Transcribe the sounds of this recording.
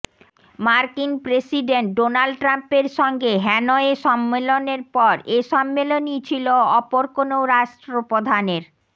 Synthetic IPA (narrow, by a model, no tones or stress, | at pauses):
maɾkinpɾesiɖeɳʈ̚ɖonalɖʈɾampeɾʃɔŋɡeɦɛnoeʃɔmːeloneɾpɔɾeʃɔmːelonit͡ɕʰiloɔpoɾkonoɾaʃʈɾopod̪ʱaneɾ